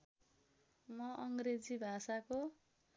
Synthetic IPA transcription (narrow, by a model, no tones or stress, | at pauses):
mʌʔʌŋɡred͡zibʱasako